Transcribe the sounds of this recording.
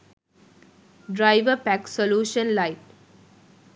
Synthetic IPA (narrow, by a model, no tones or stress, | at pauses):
ɖɾaɪʋəpæksoljuːʃə̃nlaɪʈ